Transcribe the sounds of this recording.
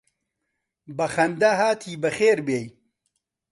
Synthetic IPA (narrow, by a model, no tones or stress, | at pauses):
bɐxɐnd̪ɐɦaːt̪ʰiːbɐxeːɾbeːj